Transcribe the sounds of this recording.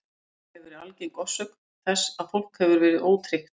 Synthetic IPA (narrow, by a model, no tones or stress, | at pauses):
hɛvɛɾalcɪnkɔsːʏknθɛsːaðfowl̥khɛvʏɾvɛːɾɪðoːwt̪ʰɾɪht̪